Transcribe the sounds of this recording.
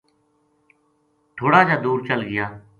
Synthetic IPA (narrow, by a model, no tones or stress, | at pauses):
t̪ʰoːɽaːd͡ʒaːd̪uːɾt͡ʃəlɡɪjaː